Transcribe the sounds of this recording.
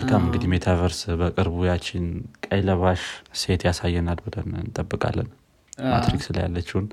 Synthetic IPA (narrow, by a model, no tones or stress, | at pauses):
kʰamɨŋɡɨd̪imet̪ʰavəɾsbəkʼɨɾβujat͡ʃːɪnkʼəjləβaʃse̞t̪jasajːɛnalbɔd̪ənɨnt̪ʼəbːɨkʼa̰lːə̰n | ma̰t̪ɾiksɨlə̰ja̰lːət͡ʃːiwun